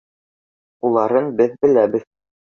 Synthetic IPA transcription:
ulˠɑɾɤnbɘðbɘ̆læbɘ̆ð

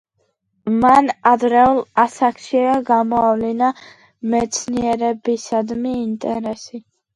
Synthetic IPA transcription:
manad̪ɾɛulˠasakʰʃiaɡamɔavlina | mɛt̪sʰniɛɾɛbisad̪miːnt̪ʼɛɾɛsi

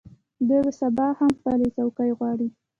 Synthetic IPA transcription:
d̪əb̪əsabɑhamxpalet͡sawkajɣwɑɽi

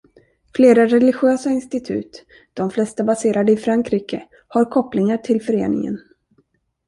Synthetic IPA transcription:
fleːɾaɾɛlɪɧøːsaɪnst̪ɪt̪ʰʉ̟̰ːt̪ | d̪̥ɔmflɛst̪abaseːɾad̪əɪfɾaŋkɾiːkə | haɾkʰɔpːlɪŋaʈʰɪlfœɾeːnɪ̰ŋə̰n

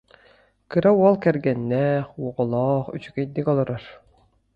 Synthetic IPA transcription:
kɯɾauɔlˠkɛɾɡɛnːɛːχwɔʁɔlˠɔːχyt͡ɕyɡɛd̪ːikɔlˠɔɾɔɾ

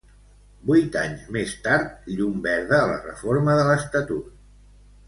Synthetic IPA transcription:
bujt̪a̰ɲzmest̪aɾt̪̚ʎumbɛɾðəːlə̰rə̰foɾməðələst̪ət̪ut̪̚

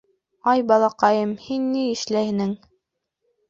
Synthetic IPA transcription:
ɑjbɑlˠɑqɑjɤmhinːiɘ̆ʃlæjhɘ̆nɘŋ

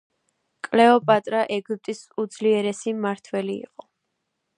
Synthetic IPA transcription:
kʼlɛɔpʼat̪ʼɾaʔɛɡip̚ʼt̪ʼisud̪zliɛɾɛsimaɾt̪ʰwɛlḭːqʼɔ

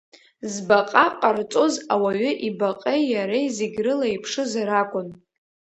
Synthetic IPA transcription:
zbaqʼaqʼart͡sʼo̞zawaɥʏʔibaqʼejjaɾejzeɡʲrɨlaipʰʂɨzaɾakʷʼʊn

